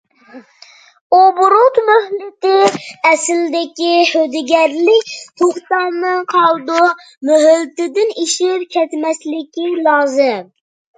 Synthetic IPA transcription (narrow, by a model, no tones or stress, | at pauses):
obʊɾʊt̪møhlɪt̪ɪɛsɪld̪ɪkʲihød̪ɪɡʲɛɾlɪkʲhoχsɑnɨqʰɑlˠd̪u | møɦɪlt̪ɪd̪ɪniʃɪpkʲʰɛt̪mɛslɪkʲilˠɑːzɨm